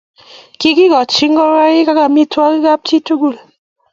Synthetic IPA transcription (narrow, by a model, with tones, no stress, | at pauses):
ki˦ki˦ɣɔ˨t͡ʃi˦ŋ̩˦ɡɔ˦ɾa˦ɣi˦ka˦ka˨mi˦twɔ˦ki˦ɡa˦p̚t͡ʃi˦tu˦ɡu˦˨l